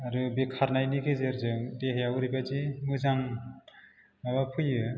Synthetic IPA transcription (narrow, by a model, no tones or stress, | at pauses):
aɾɯbikʰaɾnajniɡezeɾzɯŋdeɦejawɾibazimɯzaŋ | mabapʰɯjɯ